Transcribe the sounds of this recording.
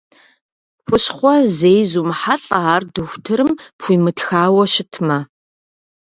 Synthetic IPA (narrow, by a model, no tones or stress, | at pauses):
pʷʊɕχʷɔzejzuːmħaɬʼɐaːrdɨxʷtʰɨɾɨmpʰʷiːmɨtxaːwɐɕɪtʰmɐ